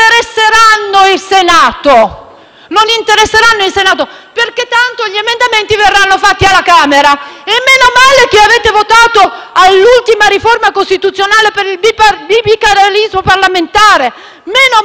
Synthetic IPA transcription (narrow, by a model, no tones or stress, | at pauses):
eɾesːeɾanːoilsenaːt̪o | nonint̪eɾesːeɾanːoilsenaːt̪o | perket̪ːant̪oʎiemend̪ament̪iverːanːofat̪ːialːakaːmeɾaemːenomaːlek̟eaveːt̪evot̪aːt̪oalːult̪imaɾiformakost̪it̪ut̪sːjonaːlepeɾilbibibikːaɾalizmoparlament̪aːɾe | meːno